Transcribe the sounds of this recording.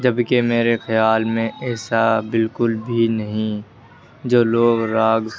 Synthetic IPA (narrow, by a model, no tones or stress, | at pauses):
d͡ʒɐbkemeːɾexəjaːlmẽʔɛːsabɪlkʊlbʱinɐɦĩ | d͡ʒoːloːɡɾaːɡ